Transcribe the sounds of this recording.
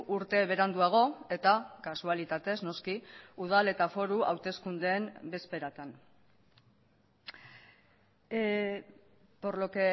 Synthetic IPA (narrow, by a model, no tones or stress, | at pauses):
ʔuɾt̪e̞β̞e̞ɾand̪uaɣ̞o̞e̞t̪akasualit̪at̪e̞zno̞skiuð̞ale̞t̪afo̞ɾuʔa̰wt̪e̞skund̪eːmbe̞spe̞ɾat̪an | po̞ɾlo̞ke